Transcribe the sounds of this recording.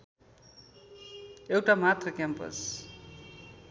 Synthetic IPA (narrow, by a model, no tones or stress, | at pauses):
ewʈamat̪rʌkjampʌ̰s